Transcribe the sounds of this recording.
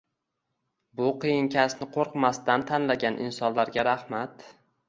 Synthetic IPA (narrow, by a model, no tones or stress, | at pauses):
bʊqʰɨjɪŋkʲʰasnɪqʰoɾqmast̪ant̪ʰanlaɡʲanʔɪ̰nsɒnlaɾɡʲaɾahmat̪